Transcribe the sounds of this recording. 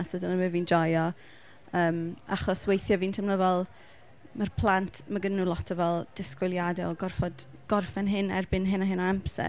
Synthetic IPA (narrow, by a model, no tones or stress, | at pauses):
asədənəməviːndɔjɔ | əːmaχɔswejθjɔviːntʰəmnəðɛlˠ | mərpʰlˠantʰmaɡənːulˠɔtʰɔvɛlˠd̥ɪskwʊlˠjadɛɔɡɔrfɔd̥ | ɡ̥ɔrfɛnɦɪnɛ̰rbɪnɦɪnaɦɪnaampsɛ̰